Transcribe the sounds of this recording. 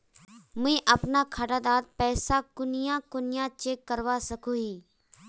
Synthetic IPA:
mɛ̃ːʔɐpnakʰaɽad̪aːd̪̚pɛːsakʊnɪjãkʊnɪjãt͡ʃeːkːəɾʋasɐkoɦiː

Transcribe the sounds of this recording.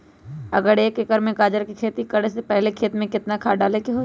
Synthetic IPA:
ɐɡəɾeːkɪkəɾmẽkaːd͡ʒəɾkikʰeːt̪ikəɽesepɛɦlekʰeːt̪mẽkɪt̪nakʰaːɖaːlekeɦoː

